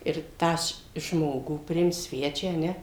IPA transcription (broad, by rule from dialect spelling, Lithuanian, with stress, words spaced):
ɪr ˈtɑː ʃ ˈʒmoːɡuː pʲrʲɪˈɪmt ˈsʲʋʲæːt͡ʃʲæː ɐ ˈnʲɛ